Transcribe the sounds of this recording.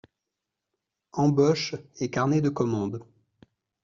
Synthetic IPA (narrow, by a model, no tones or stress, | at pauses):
ɑ̃bɔʃɛkaʁned̪əkɔmɑ̃d̪